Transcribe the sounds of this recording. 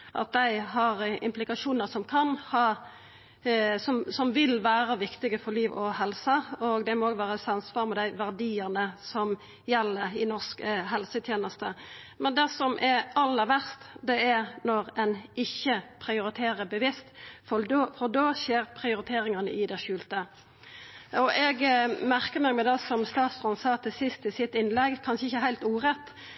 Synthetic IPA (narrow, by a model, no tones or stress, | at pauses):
ʔɑ̰t̪̚d̪æɪɦɑɾɪ̰mplɪkɑʂuːnəɾsɔmkʰɑnhɑː | sɔmsɔmʋɪlʋæːɾəʋɪkt̪ɪɡəfɔɾliːʋɔɦɛlsəɔɡd̪ɛmɔoːɡʋæːɾəsɑnsʋɑːɾmɛd̪æɪʋæʁd̪iːəɾnəsɔm | jɛlːəɾɪnɔʁskɦɛlsət̪ʰjeːnəst̪ə | mɛnd̪ɛsɔmʔɛɾɑlːəɾʋæʁst̪d̪ɛæɾnɔʁɛnɪçːəpʰɾɪʊɾɪt̪ʰeːɾəbəʋɪst̪ffɔd̪oːʃeːɾpʰʁɪʊɾɪt̪ʰeːɾɪŋɑnə̰ʔɪd̪ɛʃʉːlt̪ə | ɔʔɛɡmæʁkəʁmɛːɡmɛd̪ɑsɔmst̪ɑːt̪sʁɔnsɑːt̪ʰɪsɪst̪ɪsɪt̪ɪnlɛɡkʰɑnʃəɪçːəæɾhæɪlt̪uːɾɛt̪ː